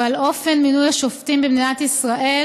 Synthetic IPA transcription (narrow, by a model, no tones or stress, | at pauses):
alʔo̞fe̞nminujaʃoftimbibniat̪isʁaʔe̞